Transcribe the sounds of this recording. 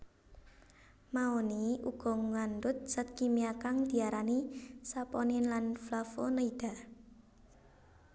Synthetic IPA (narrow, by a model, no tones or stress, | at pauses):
maoniuɡ̥ɔ̤ŋand̪ʊt̪̚sat̪̚kimiakaŋd̪̥i̤aɾanisapɔnɪnlanflafonəid̥a̤